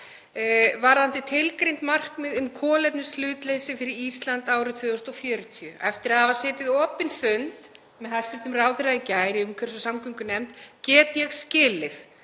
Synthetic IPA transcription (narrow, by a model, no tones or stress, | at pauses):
vaɾðant̪ɪt̪ʰɪlkɾejnt̪mar̥kmɪðʏmkʰɔːlɛpnʏslʏːt̪leːjsɪfɪɾɪɾist̪lant̪aːwɾɪt̪ʰvʏːðɔst̪ɔfjœːɾt̪ʰiʏʔɛft̪ɪɾaðavaɾ̥sɪːt̪ɪðɔːpɪnfʏnt̪ | mɛðhast̪ɪft̪ʏmraːwðɪɾaicaːjɾɪʏmkʰvɛɾ̥sɔsamkʰʏŋkʏnɛmt̪cɛːt̪ɪjɛɣscɪːlɪθ